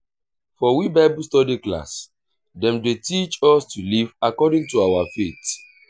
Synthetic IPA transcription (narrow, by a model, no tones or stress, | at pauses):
fɔwibaɪbustɔdikla̰s | dɛ̃mdetit͡ʃɔstulivakɔdĩŋtuawafet